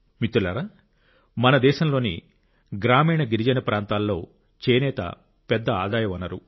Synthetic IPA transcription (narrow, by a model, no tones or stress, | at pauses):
mit̪ːula̰ːɾɐ | mɐnɐd̪ɛːʃɐmlo̞ːni | ɡɾaːmiːɳɐɡiɾid͡ʒɐnɐpɾaːnt̪aːlːo̞ː | t͡ʃeːnɛːt̪ɐ̰ | pɛd̪ːɐaːd̪aːjɐʋɐnːɐɾu